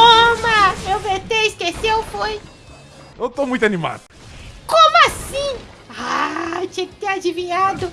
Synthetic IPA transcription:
omɐewvet̪eɪskesewfoj | ewt̪omũj̃t̪anĩma̰d̪ʊ | kõmʊasĩ | at͡ʃĩkɪt̪ead͡ʒivĩɲad̪ʊ

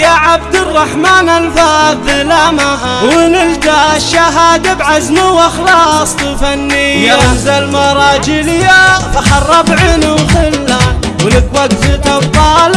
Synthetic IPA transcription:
jaʕab̚d̪ɪrˤːɑħmaːnalfaðɪlama | wɪnɪld̪aʃːaɦaːd̪abʕazmawɑxlɑːsˤt̪ˤfanːɪjːaamzalmɑɾˤɑːd͡ʒɪlɪjafaħɑrˤːɑbʕɪnuxɪlːa | wlɪkwaɡzɪt̪ɑbt̪ˤːɑːl

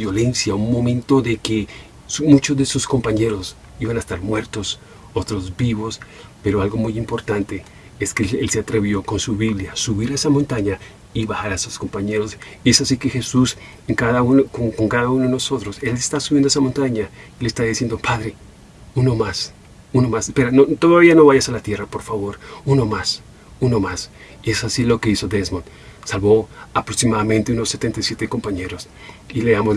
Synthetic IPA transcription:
bjo̞le̞nsjaunmo̞mẽnt̪o̞ðe̞ke | smut͡ʃozðeesusko̞mpaɲe̞ɾo̞s | iβanaest̪aɾmwe̞ɾt̪o̞s | o̞t̪ɾo̞zbiβo̞s | pe̞ɾoalɡo̞mujimpo̞ɾt̪ant̪e̞ | eskeelseat̪ɾe̞βjo̞ko̞nsuβiβljasuβiɾaesamont̪aɲa | iβaxaɾasusko̞mpaɲe̞ɾo̞sie̞sasike̞xe̞sus | eŋkaðaunokoŋkoŋkaðaunoðenoso̞t̪ɾo̞se̞lest̪asuβjend̪oesamõ̞nt̪aɲailest̪aðisje̞nd̪opʰaðɾe̞ | uno̞mas | uno̞masespeɾanot̪oðaβiano̞βaʝasalat̪je̞rapo̞ɾfaβo̞ɾuno̞mas | uno̞mas | iesasilo̞ke̞iso̞d̪ezmon | salβo̞apɾoksimaðamẽnt̪eunosːe̞t̪e̞nt̪ajsje̞t̪eko̞mpaɲe̞ɾo̞s | ileamo

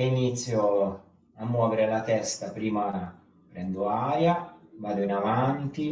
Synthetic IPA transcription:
init̪sːjo | amːwɔːveɾelat̪ɛst̪apɾiːma | pɾɛnd̪oaːɾjavaːd̪oinavant̪i

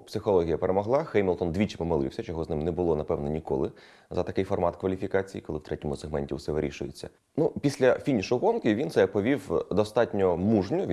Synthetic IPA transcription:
psɪxɔlˠɔɦʲijɐpeɾemɔɦlˠɑxɛjmʲɪlˠt̪ɔnd̪ʋʲit͡ʃɪ̥pɔmɐlˠɪ̰wsʲɐt͡ʃɔɦɔznɪmnɛbʊlˠɔnɐpɛwnɔnʲikɔ̰lˠɪ | zɐt̪ɐkɪjfɔrmɑt̪kʋɐlʲifʲikɑt͡sʲijikɔlˠɪwt̪ɾɛtʲɔmʊseɦmɛnʲtʲiwʊsɛʋɪɾʲḭʃʊjet͡sʲːɐ̰ | nupʲisʲlʲɐfʲinʲiʃʊɦɔnkɪʋʲinsɛpɔʋʲiwd̪ɔst̪ɑtʲnʲɔmuʒnʲʊʋʲ

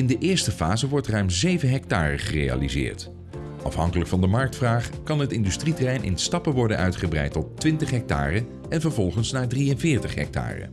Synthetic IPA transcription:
ɪndəʔɪːɹstəfaːzəʋɔɹtrœɥmzejvənɦɛk̚taːrəχərḛja̰lizɪ̰ːɹt | ɑfɦɑŋkələkfɑndəmɑɹk̚tfraːχkɑnɦətɪndystritərɛjnʔɪ̰nstɑpəʋɔɹdənœɥtχəbrɛ̰jtɔtːʋɪntəχɦɛk̚ta̰ːrə | ɛnvəɹvɔlˠχənsnaːdrijənvɪːɹtəχɦɛ̰k̚ta̰ːrə̰

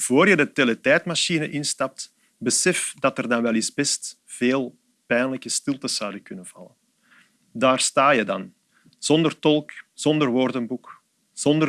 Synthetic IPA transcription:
v̥oːrjədəteletɛːtmaʃinəʔɪnstɑp̚t | bəsɛfdɑtərdɑnʋɛlˠizbɛst | v̥eːlˠ | pɛjnləkəstɪlˠtəsːawdəkɵnənv̥ɑ̰lən | daːrstaːjədɑn | z̥ɔndərtɔlˠkz̥ɔndərʋordənbuk | z̥ɔndə

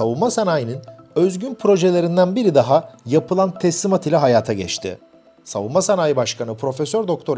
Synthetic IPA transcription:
avunmasanaːjinɯnøzɟynpʰɾo̞ʒelʲe̞ɾind̪ænbiɾid̪aɦajapɯlˠant̪ʰɛslʲimat̪ilʲɛɦajaːt̪ʰaɟɛ̰t͡ʃt̪ʰɪ̰ | savunmasanaːjibaʃkʰanɯpʰɾo̞fesøɾd̪o̞k̚t̪ʰo̞ɾ

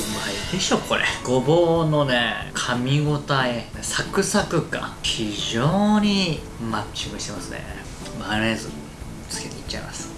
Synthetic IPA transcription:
maid̪eɕoko̞ɾḛɡ̥o̞boːno̞nekʰamʲiɡo̞t̪ae | sakɯ̟sakɯ̟kã̰çiʑoːɲ̟i | mat͡ɕiɡɯ̟ɕi̥t̪e̞masɨnḛ | maɾajazɨ̰ | t͡sɨ̥ket̪eit͡ɕːaḭmasɨ̥

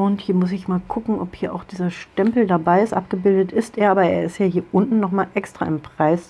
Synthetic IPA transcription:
ʊnthiːɐmʊs̬ɪçmaːlkʰʊkŋ̩ʔɔphiːɐʔa̰ʊxd̥iːzɐʃtɛmpl̩dabaɪɪstʔa̰p̚ɡ̥əbɪldətɪsteːɐʔaːbɐeːɐɪstjaːhiːɐʔʊntn̩nɔχmaːlʔɛkstʁ̥a̰ːʔɪmpʁ̥aɪs

